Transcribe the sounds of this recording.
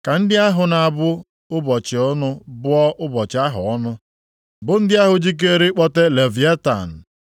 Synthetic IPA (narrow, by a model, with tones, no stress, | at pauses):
ka˨n̩˦dɪ˦a˦ɦʊ˨na˨a˨bʊ˦ | ʊ˦bɔ˨t͡ʃɪ˨ʊ˦nʊ˦bʊ˦ɔ˦ʔʊ˦bɔ˨t͡ʃɪ˨a˦ɦʊ˨ɔ˦nʊ˦ | bʊ˨n̩˦dɪ˦a˦ɦʊ˨d͡ʒi˦k̬e˦ɾi˦k͡pɔ˦te˦le˨vi˨˦e˦ta̰˨n̩˨